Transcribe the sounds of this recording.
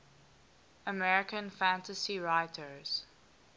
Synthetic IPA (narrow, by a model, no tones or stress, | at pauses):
əmɛɹɪkə̃nfæ̃ntəsiɹaɪtʰəɹz̥